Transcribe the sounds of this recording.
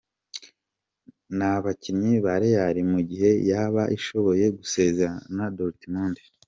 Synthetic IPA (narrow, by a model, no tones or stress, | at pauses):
naβaciɲiβaɾejaɾimuɟihe̞jaβaʔiʃo̞βo̞je̞ɡuse̞ːzeɾanadoltimunde̥